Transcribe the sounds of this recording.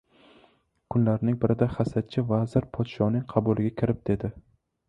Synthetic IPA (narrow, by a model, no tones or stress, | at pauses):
kʰʊnlaɾnɪŋbɪɾʔɪd̪aχasat̪̚t͡ʃʰɪvazɪɾpʰɒt̪ʃɒnɪŋqʰɑbʊlɪɡʲakʲʰɪɾɪp̚d̪̥e̞d̪ɪ